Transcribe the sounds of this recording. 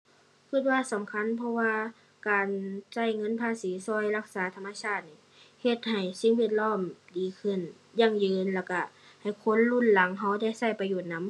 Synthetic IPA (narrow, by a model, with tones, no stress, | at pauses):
kʰɯ˧˩t̪̚waː˧sa˨˦mkʰa˧˥˨npʰɔ˧waː˧ | kaː˨nsa˧˥˩jŋɤ˧˥˨npʰaː˧˥˨siː˨˦sɔː˧˥˨jla˧˩k̚saː˨˦t̪ʰa˧mːa˧sʰaː˧˩t̪̚niː˧˩ | he˧t̪̚ha˨˩jsi˧˦ŋwi˧˨t̪̚lɔː˧˥˨mdiː˨˩kʰɯ˧˩n | jaː˧˩˨ŋjɯː˧nlɛː˧˩wka˧˩ | ha˨˩jkʰo˧˥˨nlu˧˥˨nla˨˦ŋɦa˧˥˩wda˧˩jsa˧˩jpa˧joː˧˩t̪̚na˧˦˥m